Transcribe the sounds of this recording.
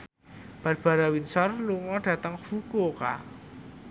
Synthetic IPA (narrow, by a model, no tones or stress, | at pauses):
b̥arb̥a̤ɾawinsɔrluŋɔɖ̥ä̤t̪əŋfukoka̰